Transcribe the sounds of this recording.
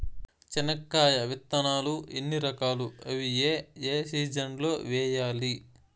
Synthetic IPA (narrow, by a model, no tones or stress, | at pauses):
t͡ʃɐnɐkːaːjɐʋit̪ːɐnaːluenːiɾɐkaːluɐʋijeːeːsiːd͡ʒɐɳɖlo̞ːʋɛːjaːli